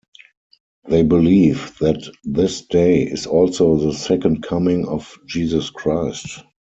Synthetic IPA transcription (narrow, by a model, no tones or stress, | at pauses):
ðeɪbɪliːvðætðɪsd̥eɪɪ̰sɔlsoʊðəsɛkə̃nt̚kʰamɪ̃ŋɔfd͡ʒiːzəskʰɹaɪst